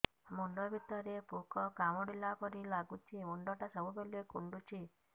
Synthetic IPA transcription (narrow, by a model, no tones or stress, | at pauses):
muɳɖɔbit̪ːɔɾepukɔkamɔɽilːapɔɾilaɡut͡ʃʰimuɳɖɔʈasəbubelekuɳɖut͡ʃi